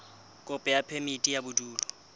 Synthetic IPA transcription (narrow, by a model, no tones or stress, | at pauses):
kʼʊpʼɛjapʰemitʼijabʊduːlɔ